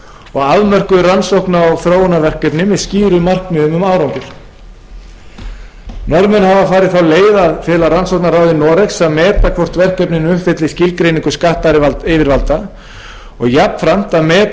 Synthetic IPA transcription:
ɔɣaðmœr̥kʏðransowhknaːwθɾoːwʏnavɛr̥kœpnɪmɪðsciːɾʏmar̥kmɪðʏmʏmaːwɾawŋkʏɾ̥ | nɔɾmɛnhavafaːɾɪðθawleːjðaðfɪlaransowhknaɾaːwðɪnɔːɾɛksamɛːt̪akʰvɔr̥t̪vɛr̥kœpnɪnʏh̪fɛt̪lɪscɪlkɾejnĩŋkʏ̥skaht̪aɾɪvalt̪ɪːvɪɾvalt̪a | ɔɣjapnfɾam̥t̪aðmɛː

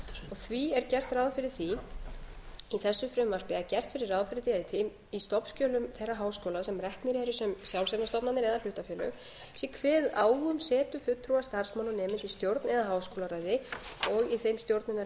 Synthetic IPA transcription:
ɔɣθviɛɾcɛr̥t̪rawðfɪɾɪɾ̥θi | iθɛsːʏfɾʏmːar̥pɪacɛr̥t̪fɪɾɪrːaːðfɪɾɪt̪iaθm | ist̪ɔpscœːlʏmθejrːaɦaːwskoːlasɛmrɛhknɪɾɛɾʏsɛmsjawlsɛnast̪ɔpnanɪɾɛðalʏht̪afjɛːlœ̰ɣ | sikʰvɛːðaːwɣʏmsɛːt̪ʏfʏt̪ʰːɾuast̪ar̥smawnʏnɛːmɪnt̪ist̪jowɾt̪nɛðaɦaːwskoːlaɾaːjðɪɔɣiθejmst̪jowɾt̪nɪnːa

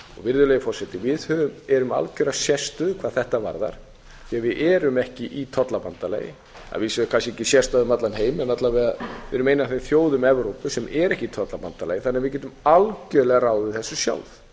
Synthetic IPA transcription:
ɔ̰ɣvɪɾðʏleːjʏfɔrsɛt̪ɪvɪðhœvʏmɛɾʏma̰lcʏɾasjɛst̪ʏðkʰvaːðθɛht̪ava̰ɾða̰ɾ̥ | θiavɪðʔɛɾʏmɛhcɪʔit̪ʰɔt̪lapant̪alḛːjɪ̰ | a̰ðvɪskʰas̬ɪɛcɪsjɛst̪aðʏmat̪lanheːjmɛnat̪lavɛðaðvɪɾʏmejnaθejmθjoːwðʏmɛvɾowpʏsɛmʔɛɾɛhcɪit̪ʰɔt̪lapant̪ala̰ːjɪθanɪavɪðc̬ɛːt̪̬ʏmalcœlɛɣaraːwðʏɪθɛsːʏsja̰wlð

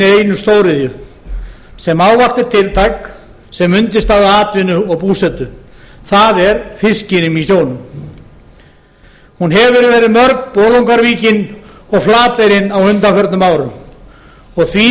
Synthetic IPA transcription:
ɪejnʏst̪owɾɪðjʏ | sɛmaːwvaht̪ɪɾ̥t̪ʰɪlt̪ʰajk | sɛmʏnt̪ɪst̪aːɣðaaːt̪vɪnʏɔɣpuːsɛt̪ʏθaðɛɾfɪscɪnɪmisjoːwnʏm | hunɦɛvʏɾvɛːɾɪðmœɾkpoːlowŋkaɾviːcɪnɔɣflaːt̪ejɾɪnawhʏnt̪afœɾt̪nʏmaːwɾʏm | ɔɣθʰvi

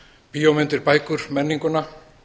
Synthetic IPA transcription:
pijomɪnt̪ɪɾpaːjkʏɾ̥mɛnːiŋkʏna

